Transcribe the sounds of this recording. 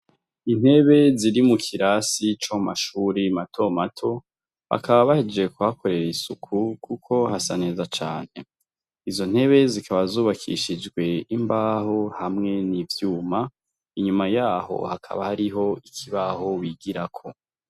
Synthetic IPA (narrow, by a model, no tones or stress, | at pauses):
in̥he̞βe̞ziɾimukʰiɾasit͡ʃomaʃuːɾimatʰo̞matʰo̞ | βa̰kaβaβahed͡ʒe̞kuhako̞ɾe̞ɾisukʰukukʰo̞hasane̞ːzat͡ʃaːn̥e̞ | izo̞n̥he̞βe̞zikʰaβazuːβakʰḭʃid͡ʒɡwe̞imbaːho̞hamŋe̞nivjuːma | iɲumajaːɦo̞̰hakʰa̰βahaɾiɦo̞ikʰiβaho̞wiɡiɾakʰo